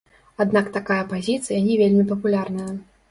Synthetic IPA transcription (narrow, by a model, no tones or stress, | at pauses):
ad̪nakt̪akajɐpazʲit̪sɨjɐnʲɛvʲelʲmʲipɐpulʲarnɐjɐ